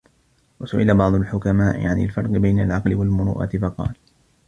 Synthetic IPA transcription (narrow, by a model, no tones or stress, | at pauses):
wasʊʔɪlabɑʕd̪ˤʊlħʊkamaːʔɪ̰ʕanɪ̰lfɑɾˤqɨbajnalʕɑqlɪwalmʊɾṵːʔa̰ːt̪ɪfɑqɑ̰ːl